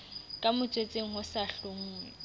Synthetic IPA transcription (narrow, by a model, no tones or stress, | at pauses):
kʼamʊt͡sʼwet͡sʼeŋ̩ɦʊsaɬoŋ̩ːŋwɛ